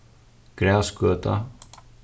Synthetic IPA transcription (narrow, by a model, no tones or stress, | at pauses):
kɾaːskœːt̪a̰